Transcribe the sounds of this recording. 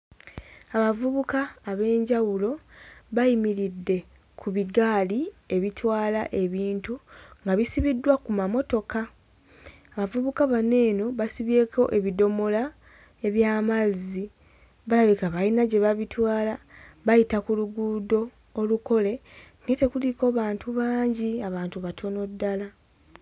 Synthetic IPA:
aβavuβukaːβe̞ːɲɟawulo̞βajimiɾidːe̞ | kʰuβiɡaːlie̞βitwaːla̰ʔe̞βiːntuŋɡaβisiβidːwakumamo̞to̞ka | aβavuβukaβane̞ːno̞βasiβe̞ːko̞ʔe̞βido̞mo̞la | e̞βjaːmazi | βalaβikaβajinaɟe̞βaβitwaːlaβajitakuluɡudo̞ː | luko̞le̞ŋɡe̞te̞kulikoβaːntuβaːɲɟiaβaːntuβatʰo̞no̞dːala

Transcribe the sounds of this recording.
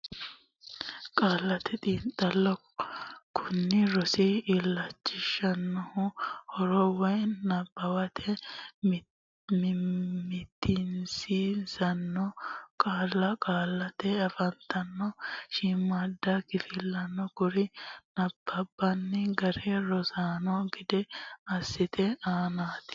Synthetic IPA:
kʼaːlɐt̪ʰɛt̪ʼiːnt̪ʼɐlːɔ | kʰʊnːɪɾɔsiːlːɐt͡ʃːɪʃɐnːʊhʊhɔɾɔwɔjnɐbːɐwɐt̪ʰɛ | mmɪt̪ʰːɪnsizɐnːɔkʼaːlːɐkʼaːlːɐt̪ɛɐfɐnt̪ɐnːɔʃimɐd̪ɐkɪfɪlːɐnːɔkʊɾɪnɐb̥ːɐbːɐnːɛɡɐɾɛɾɔsaːnɔɡɪd̪ɛɐsːɪt̪ʰɛaːnaːt̪ɪ̥

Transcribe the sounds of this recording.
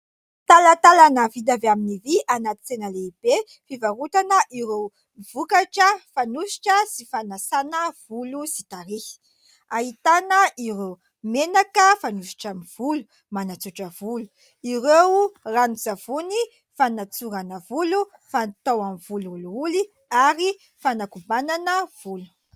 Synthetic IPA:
t̪alat̪alanəvid̪aveaminiviʔanat̪i̥t͡senəleib̥e | fivarut̪anəʔiɾew | vukaʈ͡ʂəfanuʃi̥ʈ͡ʂəsifanasanəv̥ulusit̪aɾi̥ | aɦit̪anəʔiɾew | menakəfanusi̥ʈ͡ʂamiv̥ulu̥ | manat͡suʈ͡ʂəvulu̥ | irewranuzav̥uni | fanat͡suɾanəvulu | fant̪awamivululuuli | aɾi | fanakubananəv̥ulu̥

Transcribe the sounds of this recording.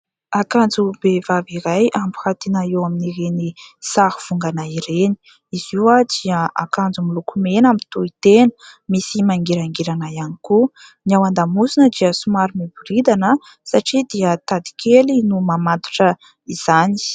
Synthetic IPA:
akand͡zubevaviɾajʔambu̥hat̪inaewaminiɾenisahuv̥uŋɡanaiɾeni̥ | iziwad̪iəakand͡zumilukumenamint̪uit̪enə̥misimaŋɡiɾaŋɡiɾanajaniku | niawand̪amuzinəd̪iəsumaɾimibuɾid̪anə | saʈ͡ʂid̪iət̪ad̪i̥kʰelinumamad̪u̥ʈ͡ʂə | iz̥ani̥

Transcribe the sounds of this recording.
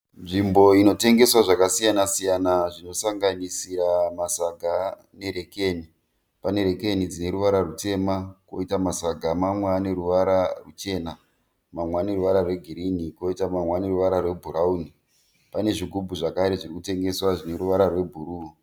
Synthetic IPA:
nʐimbo̞ino̞te̞ŋɡe̞swaʐakasijanasijanaʐino̞saŋɡanisiɾamasaɡʱa | ne̞ɾe̞keːni | pane̞ɾe̞ke̞nid͡zine̞ɾuʋaɾarute̞mako̞̰itamasaɡʱamamweaːne̞ɾuʋaɾarut͡ʃe̞na | mamweaːne̞ruʋaɾarwe̞ɡʱiɾiniko̞itamamwane̞ruʋaɾarwe̞bʱuɾauni | pane̞ʐiɡʱubʱuʐakaɾe̞ʐirikute̞ŋɡe̞swaʐine̞ɾuʋaɾarwe̞bʱuɾuːo

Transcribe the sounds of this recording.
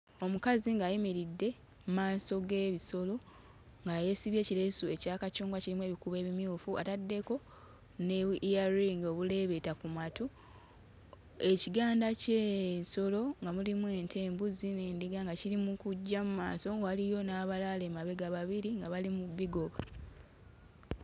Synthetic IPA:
o̞mukaziŋɡajimiɾidːe̞ | mumaːso̞ɡe̞ːβiso̞lo̞ | ŋɡaje̞siβje̞ːciɾesue̞caːkacuːŋɡwaciɾimwe̞βikuβe̞ːβimjuːfua̰tadːe̞ko̞ | nejaɾiŋɡo̞ːβule̞βe̞takumatu | e̞ciɡaːndaceːso̞lo̞ŋɡamulimwe̞ːntʰe̞ːmbuzine̞ːndiɡaŋɡaciɾimukuɟːamumaːso̞ŋɡalijo̞naːβalalemaβe̞ɡaβaβiɾiŋɡaβalimuβːiɡo̞βa

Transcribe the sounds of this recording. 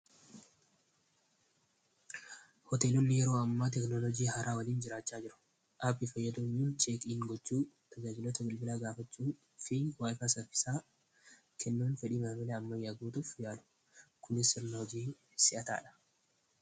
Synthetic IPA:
hɔt̪eːlɔnːɪjɛɾo̞ːɐmːaːt̪ɛknɔlɔd͡ʒiːɦɐɾʔaːwɐliːnd͡ʒɪɾaːt͡ʃːaːd͡ʒɪɾʊ̥ | ʔɐbɪfɐjːɐd̪ʊɲːuːnt͡ʃʼeːkʼiːŋɡɔt͡ʃːuː | t̪ʰɐd͡ʒaːd͡ʒɪlɔt̪ɐɡɪlbɪlaːɡaːfɐt͡ʃːuː | fɪwaːjfasɐfɪ̥saː | kʰɛnːuːnfɛᶑiːmɐmɐlɛɐmːɐjːaːɡuːt̪ʊfjaːlʊ̥ | kʊnɪsɪɾnɐhɔd͡ʒiː | sɪʔɐt̪a̰ːᶑɐ̥

